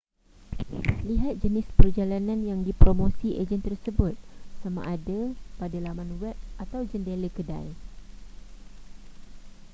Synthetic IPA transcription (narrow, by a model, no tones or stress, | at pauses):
liɦat̪̚d͡ʒənɪspərd͡ʒalanãnjaŋdipɾomõsiʔed͡ʒənt̪ərsəbʊt̪̚samã̰ʔadapadalamãnwɛp̚ʔat̪awd͡ʒəndeləkəda̰j